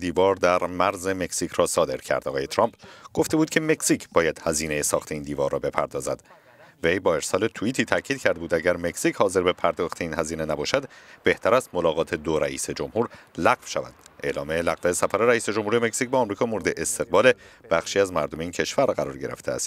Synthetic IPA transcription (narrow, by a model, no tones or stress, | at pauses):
d̪iːvɒːɾd̪æɾmæɾzeme̞ksicʰɾɒːsɒːd̪e̞̰ɾcʰæ̰ɾd̪ɒɣɒːje̞t̪ʰɾɒːmpɡ̥o̞ft̪e̞buːd̪̥kcʰeme̞csicʰbɒːjæd̪̥hæziːne̞jesɒːxt̪ʰe̞iːnd̪iːvɒːɾrːɒːbe̞pʰæ̰ɾd̪ɒːzæ̰d̪̥ | ve̞jbɒːe̞ɾsɒːle̞t̪ʰuiːt̪ʰiːt̪ʰæcʰiːd̪cʰæɾd̪ebuːd̪æɟæɾme̞ksichɒːze̞ɾbe̞pʰæɾd̪ɒːxt̪ʰeiːnhæziːnenæbɒːʃæd̪b̥e̞ht̪ʰæɾæst̪mo̞lɒːɣɒːt̪ʰe̞d̪oɾæʔiːse̞d͡ʒo̞mhuːɾlæɣvʃævæ̰d̪̥e̞lɒːmelæɣvesæfæɾe̞ɾæiːse̞d͡ʒomhuɾijemecsic̚bɒːmɾiːkʰɒːmoɾe̞d̪eʔest̪ʰe̞ɣbɒːle̞b̥æχʃiːæzmæɾd̪o̞meincʰe̞ʃvæɾɢæɾɒːɾɟe̞ɾeft̪ʰeæ̰st̪